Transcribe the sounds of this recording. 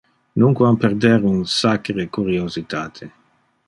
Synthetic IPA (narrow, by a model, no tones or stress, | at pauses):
nuŋkwampeɾd̪ɛɾunsakɾekuɾiozit̪ʰaːt̪ʰe